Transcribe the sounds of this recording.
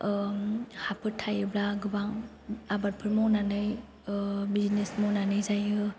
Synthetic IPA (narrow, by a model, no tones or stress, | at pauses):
hapʰɯtʰːajɯblaɡɯbaŋ | abaɾpʰɯɾmɔnanɯj | biznesmɔnanɯjzajɯ